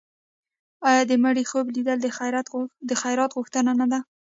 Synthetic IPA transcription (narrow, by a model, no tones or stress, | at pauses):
ɑjɑd̪əmaɽixoblid̪əld̪əajɾat̪d̪əxajɾɑt̪ɣʊxt̪ənanad̪a